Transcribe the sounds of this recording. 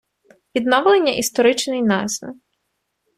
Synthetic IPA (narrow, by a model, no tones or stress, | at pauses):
ʋʲid̪nɔʋlˠenʲːɐʔist̪ɔɾɪt͡ʃnɪjnɑzʲʋɪ̰